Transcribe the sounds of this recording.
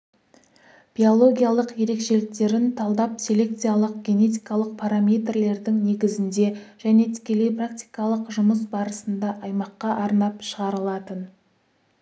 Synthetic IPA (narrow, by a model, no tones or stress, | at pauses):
b̥io̞lˠo̞ɡʲijalˠəqje̞ɾe̞kʃe̞lɪk̚t̪e̞ɾɪnt̪ʰɑlˠd̪ɑpsʲelʲe̞k̚t̪sijalˠəq̚ɡʲe̞ne̞t̪̬ijkɑlˠəq̚pʰaɾamʲejt̪rle̞ɾd̪ɪŋne̞ɡʲɪzɪnd̪e̞ʒ̥æne̞t̪ʰɪ̥kʲe̞le̞jprak̚t̪ʲi̥jkɑlˠəqʒʊməsbɑɾəsənd̪ɑʔɑjmɑqːɑʔɑɾnɑpʃəʁɑɾəlˠɑt̪ən